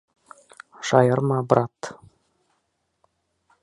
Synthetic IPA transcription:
ʃɑjɤɾmɑbɾɑt̪

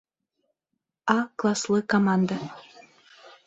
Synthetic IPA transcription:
ɑklˠɑslɤkomɑnd̪a

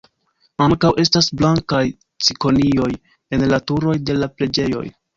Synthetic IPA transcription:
aŋkawʔe̞stasblaŋkaj | t͡siko̞nio̞j | e̞nlatuɾo̞jde̞laple̞d͡ʒe̞jo̞̰j

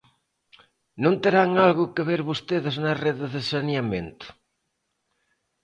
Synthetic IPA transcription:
nõnt̪eɾaŋalɣʊkeβeɾβost̪eðɪznɐreðeðesanjamẽnt̪ʊ̥

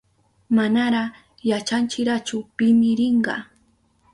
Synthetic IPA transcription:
manaɾɑχ | jat͡ʃant͡ʃɪɾat͡ʃʊpɪmɪɾɪɴɢɑ̰

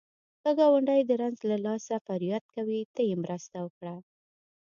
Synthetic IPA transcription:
xaɡɑwaɳɖajd̪əɾanzlalɑsafaɾijat̪̚kawit̪əjemɾəst̪awəkɽa

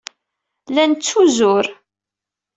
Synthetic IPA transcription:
lænt͡sːuzʊɾ

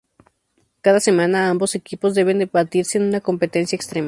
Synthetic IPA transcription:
kaðase̞manaambo̞sekipozðe̞βe̞nd̪eβat̪iɾseeːnũnako̞mpe̞t̪ensjaekst̪ɾem

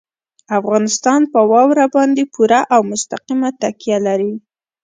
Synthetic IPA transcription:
afɣɑnɪst̪ɑnpəwɑwɾabɑnd̪epuɾaʔawmʊst̪aqimat̪akjalaɾi

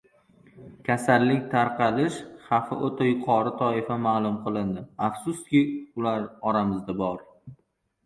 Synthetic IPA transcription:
kʲʰasalːɪkʲt̪ʰaɾqʰɑlɪʃχɑfɪ̰ʔot̪ʰajʊqʰɒɾɪt̪ʰɒɪfamaːlˠʊmqʰɨlˠɪnd̪ɪafsʊst̪̚kʲɪʊlaɾɒɾamɪzd̪abɒɾ

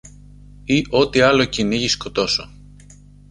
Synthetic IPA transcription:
iʔo̞t̪iɐlo̞ciniʝisko̞t̪o̞so

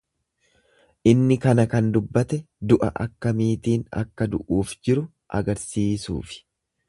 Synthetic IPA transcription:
ʔɪnːɪkɐnɐkɐnd̪ʊbːɐt̪ɛ | d̪ʊʔɐ̰ʔɐ̰kːɐmiːt̪iːnɐ̰kːɐd̪ʊʔuːfd͡ʒɪɾʊ | ʔɐ̰ɡɐɾsiːsṵːfɪ̥

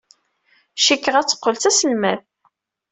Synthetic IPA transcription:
ʃikːəʁæt͡sːə̥qːəlθt͡sæsəlmæð

